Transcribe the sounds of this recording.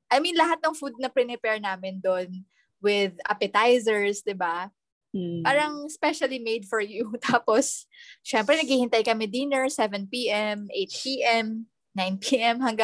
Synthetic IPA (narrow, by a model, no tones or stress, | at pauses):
ʔɐjminlɐɦat̪̚nɐŋfud̪̚nɐpɾɪnɛpɛɹnaːmɪnd̪on | wɪd̪a̰pɛt̪ajsɛɹsd̪ɪba | paːɾɐŋspɛʃɐlimejd̪̚fɔɹjut̪aːposʃɛmpɾɛnɐɡ̚iːhɪnt̪ajkɐmɛd̪iːnɛɹsɛvɛnpiːʔɛmʔejt̪̚piːʔɛm | najnpʰiʔɛmhɐŋɡa